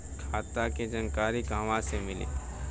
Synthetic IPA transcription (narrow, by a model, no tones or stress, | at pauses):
kʰaːt̪aked͡ʒɐnkaːɾikãːʋãsemɪlḛː